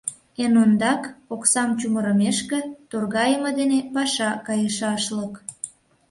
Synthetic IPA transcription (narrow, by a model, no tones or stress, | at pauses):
enond̪ɑkoksɑmt͡ɕuməɾəmeʃket̪orɣɑjəmod̪enepɑʃɑkɑjəʃɑʃlək